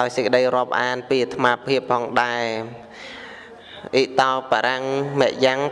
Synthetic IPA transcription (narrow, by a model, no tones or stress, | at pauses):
ɗaɔjsəkə̆ɗəjrŏəp̚ʔaːnpiːt̪ʰmaːpʰiəpʰːɑːŋɗaɛ | ʔiʔt̪aɔpaːɾaŋmɛ̆əʔjaŋ